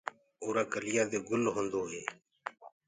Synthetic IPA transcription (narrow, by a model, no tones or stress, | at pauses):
oːɾaːkəlɪjaːd̪eːɡʊlɦõːnd̪oːɦeː